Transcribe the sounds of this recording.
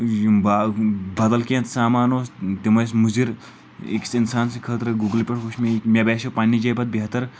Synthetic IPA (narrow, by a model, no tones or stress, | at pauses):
babɐd̪ɐlkẽːnt̪saːmaːnoːst̪imɐjsmuziɾ | ḭksinsaːnsikʰəːt̪ɾɨɡuɡlpʲeʈkuʃmekmʲebeːsopɐnːid͡ʒɐjbɐt̪̚biɦɐt̪ɐɾ